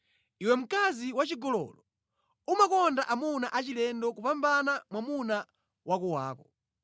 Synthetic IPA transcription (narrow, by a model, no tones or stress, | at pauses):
iwɛm̩kaziwat͡ʃiɡɔlɔ̰lɔ | umakɔndaʔamunaʔat͡ʃilɛndɔkupambanamwamuna | wʔakuwaːkɔ